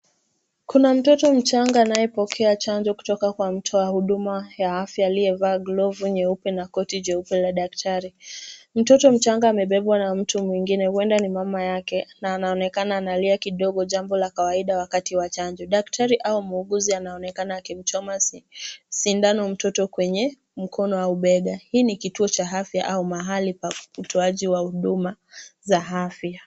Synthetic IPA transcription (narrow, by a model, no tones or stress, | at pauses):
kunam̩tɔtɔm̩t͡ʃaŋɡaːnajɛpɔkʰɛat͡ʃaɲd͡ʒɔku̥tɔkakwam̩tʰɔwahuɗumajaafjaːliɛvaːɡlɔvuɲɛupɛnakɔtiɲɛupɛlaɗak̚tʰaɾim̩tɔtɔm̩t͡ʃaŋɡaːmɛɓɛɓwanam̩tumwiŋɡinɛhwɛndanimamajakɛnaːnaɔnɛkanaːnaliakiɗɔɠɔʄambɔlakawaiɗawakatiwat͡ʃaɲd͡ʒɔɗak̚tʰaɾiʔaumuɠuzianaɔnɛkanaːkim̩t͡ʃɔma | sindanɔm̩tɔtɔkwɛɲɛ | m̩kʰɔnɔwauɓɛɡahiːnikituɔt͡ʃaɦafjaʔaumaɦalipautɔaʄiwahuɗumazaɦafja